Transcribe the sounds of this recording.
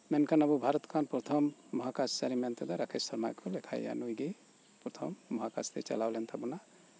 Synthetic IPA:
mɛnkʰanabubʱaɾɔt̪kʰanpɾɔt̪ʰɔmːɔɦakast͡ʃaɾimɛnt̪ɛd̪aɾakʰissɔɾmajkʰɔlɛkʰa̰ja̰nujɡe | pɾɔt̪ʰɔmːɔɦaka̰st̪ɛt͡ʃa̰lawlɛnt̪ʰabuna

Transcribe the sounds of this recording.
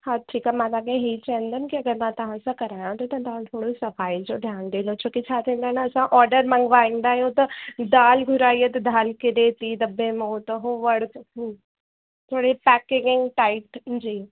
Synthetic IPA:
hãʈʰiːkamɛ̃laːɡẽɦeit͡ʃaə̃nd̪ankiɐɡəɾmɛ̃t̪ɐɦãsɐkɐɾaːjãt̪ot̪ɐ̃t̪ɐɦãt̪ʰoːɽisɐfaːid͡ʒod̪ʱjaːnd̪eːlot͡ʃʰoket͡ʃʰaːt̪ẽːnd̪anaɐsãʔɔːɾɖəɾmɐ̃ŋɡʋaːẽnd̪aːjõt̪ɐd̪aːlɡʱʊɾaːiet̪ɐd̪ʱaːlked̪eːt̪id̪ɐbːẽmot̪oɦoʋɐɽkː | t̪ʰoːɽepɛːkɪ̃ŋɪ̃ŋɡʈaːɪʈd͡ʒiː

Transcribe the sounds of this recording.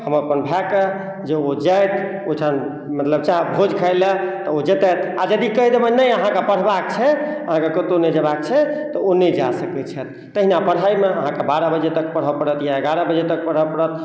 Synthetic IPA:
həməpənbʱɛke | d͡ʒeod͡ʒajt̪ʰ | oʈʰan | mət̪ləb̚t͡ʃaɦbʱod͡ʒkʰəɪlet̪ɔod͡ʒet̪ɛt̪ʰa̰d͡ʒəd̪ikəid̪ebənəjəɦãkepəɽ̤bak̚t͡ʃʰɛəɦãkekət̪onəjd͡ʒəbak̚t͡ʃʰɛt̪ɔonəjd͡ʒasəkɛt͡ʃʰɛt̪ːəɦinapəɽ̤ajmeəɦãkebaɾəbəd͡ʒet̪əkpəɽ̤ɦəpəɽət̪jaəɡaɾəbəd͡ʒet̪ək̚pəɽ̤əpəɽət̪̚

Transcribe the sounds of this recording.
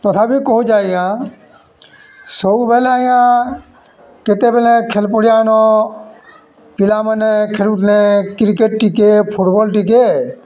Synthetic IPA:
t̪ɔt̪ʰabʱikɔɦud͡ʒaːjã | soubʱelaːijã | ket̪ebelekʰelpoɽijaːnɔ | pilamənekʰelut̪nekɾikeʈʈikepʰuʈbɔlʈik̬e

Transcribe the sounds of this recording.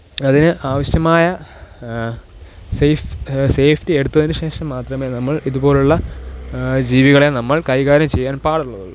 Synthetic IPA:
ɐðinɨʔaːʋɐɕjɐmaːjɐ | sejfseːfʰtie̞ɽut̪ːuʋɐðinuɕe̞ːʂɐmːaːt̪rɐme̞ːnɐmːɐɭiðubo̞ːluɭːɐ | d͡ʑiːʋiɣɐɭe̞nɐmːɐɭkɐjɣaːɾɐmt͡ɕe̞jːaːnpaːɽuɭːɐðuɭːu

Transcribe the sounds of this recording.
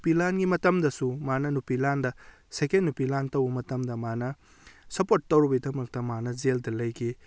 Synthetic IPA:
upilanɡimɐtɐmdɐsumanɐnupilandɐ | sekennːupilantɐwbɐmɐtɐmdɐmanɐ | sɐpotːɐwɾubɐdɐmɐk̚tɐmanɐzeldɐlɐjki

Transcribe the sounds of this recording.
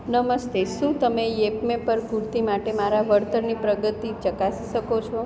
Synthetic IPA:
nəməst̪eʃũt̪əmejepmẽpəɾpuɾt̪imaʈemaɾaʋəɾt̪əɾnipɾəɡət̪it͡ʃəkasiʃəkot͡ʃʰo

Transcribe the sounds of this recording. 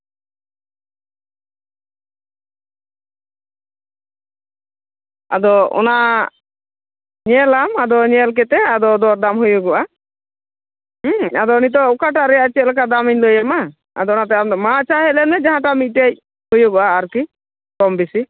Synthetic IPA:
a̰d̪ɔɔ̰na | ɲɛlamad̪ɔɲɛlk̬ɛt̪ɛad̪ɔd̪ɔɾd̪amɦujɔɡɔʔa | ad̪ɔnit̪̬ɔukaʈ̬aɾɛjat͡ʃɛt̪̚lɛk̬ad̪amiɲləjama | a̰d̪ɔɔnat̪̬ɛmat͡ʃaɦɛlɛnɛd͡ʒaɦãʈamit̪̚ˀʈej̚ | hujɔɡɔʔaːɾki | kɔmbisi

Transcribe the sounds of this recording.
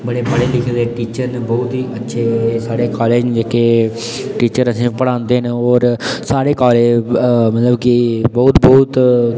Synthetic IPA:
bəɽeːbəɽeːlɪkʰːd̪eːʈiːt͡ʃəɾnebɔːt̪ɦiːʔətːʃʰeːsaːɽeːkɔːleːd͡ʒd͡ʒeːkeː | ʈiːt͡ʃəɾəsĩːpəɽãːnd̪eːnɔːɾsaːɽeːkɔːleːd͡ʒmət̪ləbkɪbɔːt̪bɔːt̪

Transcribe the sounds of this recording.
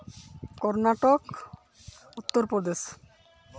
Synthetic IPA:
kɔɾnaʈok | ut̪ːoɾpɾɔd̪eʃ

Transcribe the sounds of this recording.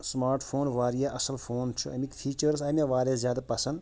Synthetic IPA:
smaːɾʈpʰoːnʋaːɾijaʔɐsəlpʰoːnt͡ʃʰuɐ̰mik̪fʰiːt͡ʃəɾsɐmʲaʋaːɾeːszʲjaːd̪apɐsɐnd̪

